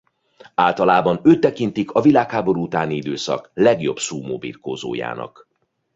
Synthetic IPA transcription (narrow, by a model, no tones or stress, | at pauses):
aːlt̪ɒlaːbɒnøːt̪ːɛkint̪ikʰɒvilaːkhaːbo̞ɾuut̪aːniid̪øːsɒ̰klɛɡjo̞bsuːmoːbḭrkoːzo̰ːja̰ːnɒ̰k